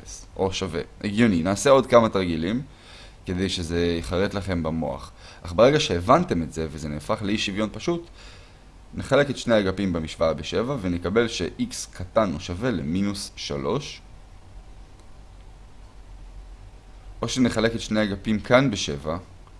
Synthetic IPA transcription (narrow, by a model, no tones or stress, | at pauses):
sʔo̞ʃave̞̰ʔeɡjoninaːse̞o̞dkamataʁɡilim | ke̞d̪e̞jʃe̞zeiχaʁet̪laχe̞mbamo̞̰a̰χʔaχbeʁe̞ɡaʃe̞ːvante̞me̞tze̞vezeneːfaχleiʃivjo̞npaʃut | neχale̞ketʃnejaɡapimbemiʃvaabeʃe̞vavenekabe̞lʃeʔikskʰatanoʃave̞lḛminusːalo̞̰ʃ | ʔo̞ʃene̞χale̞ketʃnejaɡapimkanbeʃe̞va